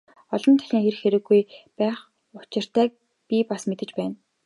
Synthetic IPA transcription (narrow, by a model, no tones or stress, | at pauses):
ɔɮɞ̆nt̪ʰæɮʲiːŋxerxeɾɘ̆ɡːujpæːχ | ʊ̥t͡ɕɪ̆r̥t̪ʰæːk̚ | pʲipasmet̪ɘ̆t͡ɕpæːn